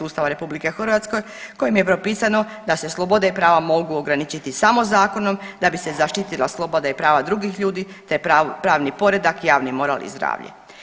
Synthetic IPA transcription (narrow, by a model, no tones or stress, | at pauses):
uːst̪aʋaɾe̞publike̞xr̩ʋat̪sko̞j | ko̞jimje̞pɾo̞piːsano̞ | d̪ase̞slˠo̞bo̞d̪aipɾaːʋamo̞ɡuoɡɾanit͡ɕit̪isamo̞zaːko̞no̞md̪abise̞zaʃt̪it̪ilˠaslˠobod̪aipɾaːʋad̪ɾuɡixʎuːd̪i | t̪epɾaːʋnipo̞ɾe̞d̪akjaːʋnimo̞ɾa̰ːlʔḭzd̪ɾa̰ːʋʎḛ